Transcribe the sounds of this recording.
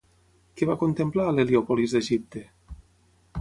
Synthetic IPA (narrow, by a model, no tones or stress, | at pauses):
kevakont̪emplaleliɔpolizd̪eʒip̚t̪e